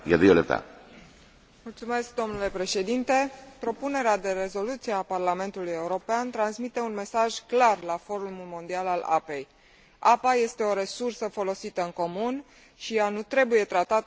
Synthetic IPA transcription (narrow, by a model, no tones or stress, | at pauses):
jad̪ijolept̪a̰ | mult̪sume̞sk̚d̪o̞mnule̞pɾe̞ʃe̞d̪int̪e̞pɾo̞pune̞ɾead̪e̞ɾe̞zo̞lut̪sieaparlame̞nt̪uluje̞uɾo̞peant̪ɾansmit̪e̞unme̞saʒklarlafo̞ɾuulmulmo̞nd̪ialala̰pe̞j | apaje̞st̪e̞o̞ɾe̞sursəfo̞lo̞sit̪əɨŋko̞mun | ʃijanut̪ɾe̞buje̞t̪ɾat̪at̪